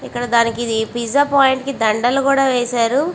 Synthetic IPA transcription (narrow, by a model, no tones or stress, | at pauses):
ikːɐɽɐd̪aːnikiid̪ipizaːpaːjiɳʈkid̪ɐɳɖɐlukuːɽaːʋeːʃaːɾu